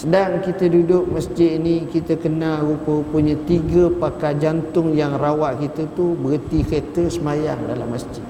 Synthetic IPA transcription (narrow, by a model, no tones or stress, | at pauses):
sədaŋkit̪ədudʊk̚məsd͡ʒɪt̪inikit̪əkənalɣupəɣupəɲət̪iɡəpakad͡ʒant̪ʊŋjaŋrawaʔkit̪ət̪ubəɣət̪iket̪əsəmajaŋdala̰mːəsd͡ʒɪt̪̚